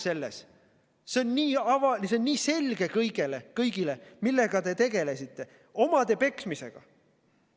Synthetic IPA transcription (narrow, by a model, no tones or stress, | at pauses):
se̞lːe̞̰s | seo̞nniːɑvɑliseonniːse̞lɡ̥e̞kɤjɡ̥e̞le̞kɤjɡ̥ile̞milːe̞ɡ̥ɑd̪e̞t̪e̞ɡ̥e̞le̞sit̪ːˑe̞ | o̞mɑd̪̥e̞pe̞ksmise̞̰ɡ̥ɑ̰